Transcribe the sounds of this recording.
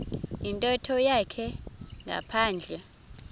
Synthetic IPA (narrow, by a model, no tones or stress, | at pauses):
intʼɔtʰɔjakʰɛŋʱa̰pʰaːnd͡ɮʱɛ